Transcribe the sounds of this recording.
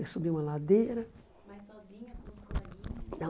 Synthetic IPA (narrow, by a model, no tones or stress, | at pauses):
esubiũmɐlad̪eɾɐ | ziɲɐ | nɐ̃